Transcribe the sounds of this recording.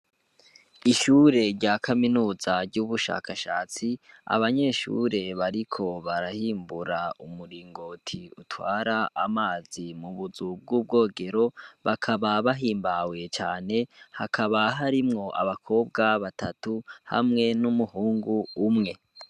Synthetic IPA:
iʃuːɾe̞ɾɟakʰaminuːzaɾɟuβuʃa̰ːkʰaʃa̰ːt͡sia̰βaɲe̞ːʃṵɾe̞βaɾikʰo̞βaɾahiːmbuɾaumuɾiːŋɡo̞ːtʰiutwaːɾaamaːzimuβuzub̚ɡuːb̚ɡo̞ːɡe̞ɾo̞βakʰaβaβaɦiːmbawe̞t͡ʃaːne̞hakʰaβaɦaɾimŋo̞ʔaβakʰo̞ːbɡaβatʰatuha̰mŋe̞numuhuːŋɡuːmŋe̞

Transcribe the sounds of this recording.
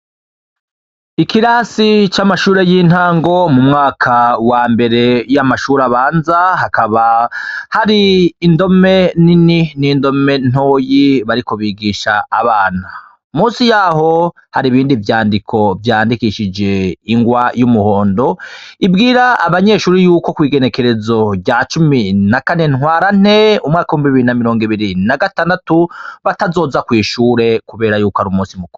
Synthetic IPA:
ikiɾaːsit͡ʃamaʃuːɾe̞jiːn̥haːŋɡo̞mumŋaːkʰawaːmbe̞ɾe̞jamaʃuːɾaβaːnzaɦakaβahaɾiːndo̞me̞nininiːndo̞me̞n̥oːjiβaɾiko̞βiːɡiːʃaːβaːn̥a | muːsijaːɦo̞ | haɾiβiːndivjaːndikʰo̞vjaːndikiʃid͡ʒe̞iŋɡwajumuho̞ːndo̞ibɡiːɾaːβaɲe̞ʃuːɾijuːko̞kwiːɡe̞ne̞ke̞ɾe̞zo̞ɟaːt͡ʃuminakane̞nŋwaːɾan̥e̞umŋaːkawumbβiβiɾinamiɾo̞ːŋɡiβiɾinaɡataːndatuβatazo̞ːzakwiːʃuːɾe̞kuβe̞ːɾajuːkoaɾumuːsimuku

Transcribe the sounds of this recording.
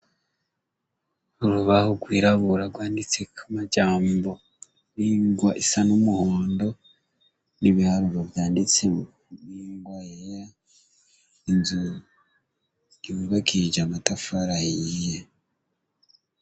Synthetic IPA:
uɾuβahoɡwiːɾaβuɾaɡwaːndit͡sekʰamaɟaːmbo̞ | niŋɡwaʔisanumuhoːndo̞ | niβihaɾuɾovjaːndit͡se | niŋɡwajeja | inzu | iβiβakid͡ʒamatafaɾajija

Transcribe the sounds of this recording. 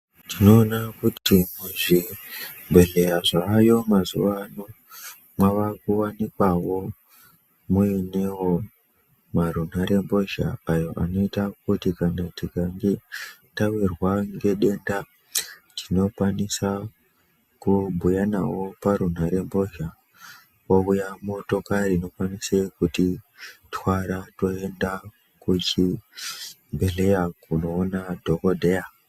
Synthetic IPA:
tʰino̞ːnakutimuʐimbe̞ɮe̞jaʐaːjo̞mazṵʋano | mwaʋakuwanikwawo̞ | muinewo̞ | maɾun̤aɾe̞mbo̞ʒa̰ːjo̞ʔa̰no̞itak̚utikanatikaŋɡe̞tawirwaŋɡe̞ɗe̞nda | tino̞kwanisa | kubʱujanawo̞paɾunaɾe̞mbo̞ʒa | oujamo̞to̞karino̞kwanisekutitwaɾato̞e̞nda | kut͡ʃi | mbʱe̞le̞jakuno̞ːnadʱo̞kodʱeja

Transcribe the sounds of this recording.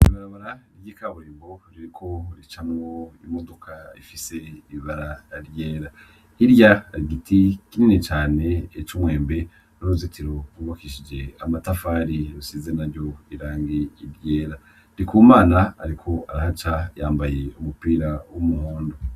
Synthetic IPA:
iβaɾaβaɾaniekaβuɾiːmbo̞ɾiɾikʰo̞ɾit͡ʃamwoimodokʰaifise̞iiβaɾaaɾjeːɾa | iɾjaɾiɡitikininet͡ʃaːne̞ːt͡ʃumwe̞ːmbe̞ | nouzitʰiɾokuβakiʃid͡ʒe̞amatafaːɾiɾusizenaɾjo̞iɾaːŋɡiiɾjeːɾa | dikuːmaːnaa̰ɾikʰo̞aɾahat͡ʃajaːmbajeumupiːɾawumuhuːndo

